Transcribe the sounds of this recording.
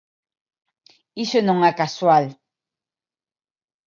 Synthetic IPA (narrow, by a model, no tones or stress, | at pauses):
iʃønɔ̃ŋakaswal